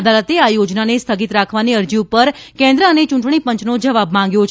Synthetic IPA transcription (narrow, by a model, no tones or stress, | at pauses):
d̪alət̪eajod͡ʒnanest̪ʰəɡit̪ɾakʰʋaniəɾd͡ʒiupəɾkɛ̃nd̪ɾəənet͡ʃũɳʈɳ̃ipəɲt͡ʃnod͡ʒəʋabmãŋɡjot͡ʃʰ